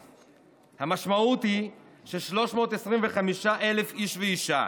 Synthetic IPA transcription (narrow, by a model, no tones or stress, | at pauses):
hamaʃmaut̪hi | ʃeʃlo̞ʃmo̞ːt̪esʁimveχamiʃaʔe̞le̞fiʃveiʃa̰